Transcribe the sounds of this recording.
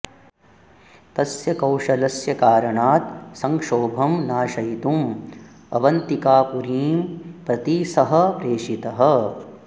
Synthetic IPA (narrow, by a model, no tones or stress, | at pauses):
t̪ɐsjɐkɐwʂɐlɐsjɐkaːɾɐɳaːt̪̚sɐŋkʂoːbʱɐmnaːʃɐjit̪um | ɐ̰ʋɐnt̪ikaːpuɾiːmpɾɐt̪isɐɦɐ̆pɾeːʂit̪ɐɦɐ̆